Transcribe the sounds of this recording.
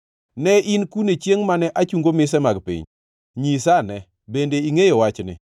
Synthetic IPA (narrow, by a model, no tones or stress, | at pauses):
nɛinkunet͡ʃjeŋmanɛʔat͡ʃuŋɡomɪs̬ɛmaɡpḭɲ | ɲisanɛ | bendeiŋejowat͡ʃnɪ̰